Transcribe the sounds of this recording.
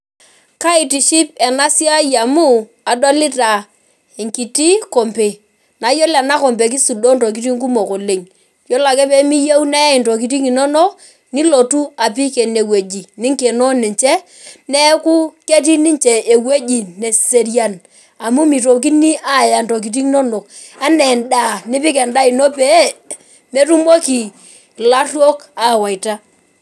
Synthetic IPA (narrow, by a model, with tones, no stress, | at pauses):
ka˦i˨ti˨ʃi˦pɛ˨na˦si˦a˦ja˨mu˦ | a˨dɔ˦li˦ta˨ | e˨ŋki˨ti˦ko˨mpe˨ | na˨˦jo˦la˨na˦ko˨mpe˨k̬i˦su˨do˦nto˨k̬i˦ti˦ŋku˦mo˨ko˨le˨ŋ | jo˦la˨kɛ˦pɛ˦mi˦ja˦u˦na˦i˨nto˨k̬i˨ti˦ŋi˨no˦no˦ | ni˦lo˨tu˦a˨p̬i˦ke˨ne˨we˨d͡ʒi˨ni˦ŋke˨nɔ˦ni˨ɲt͡ʃɛ˦ | nɛ˦ku˦ke˦t̬i˦ni˦nt͡ʃɛ˨e˨we˦d͡ʒi˨ne˨se˨ɾja˨n | a˨mu˦mi˨to˨k̬i˦ni˦ʔa˦˨ja˨nto˨k̬i˨t̬i˦ŋ˦no˦no˨k | a˦nɛ˨nda˨ni˦pɪ˦kɛ˨nda˦i˨no˦pe˦ | me˦tu˦mo˦ki˨ | la˦rwo˦ka˦˨wa˨i˨ta˦